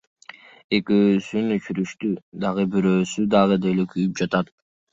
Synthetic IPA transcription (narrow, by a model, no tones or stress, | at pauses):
e̞køːsynyt͡ʃyɾyʃt̪yd̪ɑʁɯbyɾøːsyd̪ɑʁɯd̪elekʰyjyp̚d͡ʒɑt̪ɑt̪